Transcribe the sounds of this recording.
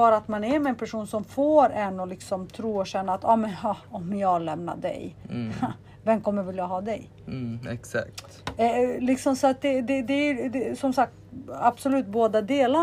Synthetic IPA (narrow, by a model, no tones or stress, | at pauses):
ɑːɾaat̪manɛɾmɛːnpʰæʂuːnsɔmfoːɾɛnːɔlɪksɔmt̪ʰɾuːɔɕɛnːaːt̪ɑːmɛnhɑɔmjɑːlɛmna̰d̪ɛ̰j | vɛmkʰɔmːəɾvɪljaɦɑːd̪ɛj | ɛksa̰k̚t̪ɛlɪksɔmsɔat̪̚d̪ɛd̪ɛd̪ɛæd̪ɛsɔmsak̚t̪ab̥sɔlʉ̟ːt̪̚boːd̪ad̪eːla